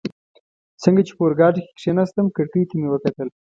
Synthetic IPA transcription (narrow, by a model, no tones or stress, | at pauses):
səŋɡat͡ʃe̥poɾɡɑʈike̥kʂenast̪əmkəɽkəjt̪amewəkat̪əl